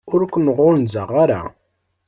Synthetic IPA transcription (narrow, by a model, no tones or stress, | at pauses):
ʊɾkʷənəʁʊlnzaʁaɾa̰